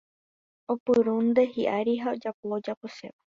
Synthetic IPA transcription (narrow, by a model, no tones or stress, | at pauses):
opɨɾund̪e̞ɦiʔaɾiɦaod͡ʒapoːd͡ʒapoʃḛβa